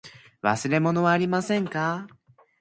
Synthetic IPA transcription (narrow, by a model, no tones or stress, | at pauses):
βa̰sɨɾe̞mo̞no̞βaːɾʲimasẽ̞ŋka